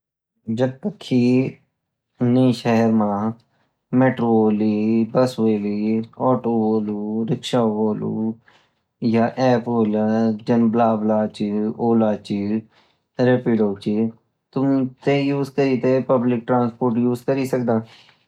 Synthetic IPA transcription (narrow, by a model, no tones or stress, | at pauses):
d͡ʒəb̚t̪əkʰːi | nəĩʃɛɦɛɾmãː | meːʈɾoːlibəsʋeːliɔːʈoːboːluːɾɪkʃaːboːlṵː | jaːʔɛːpoːlad͡ʒənblaːblaːt͡ʃioːlaːt͡ʃi | ɾepiɖoːt͡ʃi | t̪ʊmt̪ejuːzkəɾit̪epəblɪk̚ʈɾãːnspoːɾʈjuːzkəɾisək̚d̪aː